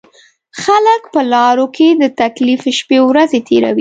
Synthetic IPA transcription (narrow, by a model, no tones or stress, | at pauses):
xaləkpəlɑɾokʰed̪ət̪aklifʃpewɾazet̪ʰeɾa̰wi